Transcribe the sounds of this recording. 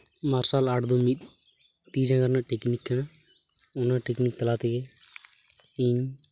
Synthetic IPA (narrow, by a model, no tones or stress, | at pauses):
maːɾsaːlaʈd̪omit̪ | t̪iːd͡ʒãɡəɾnaʈeknikːəna | ʊnãʈeknik̚t̪əlaːt̪iɡe | ĩɲ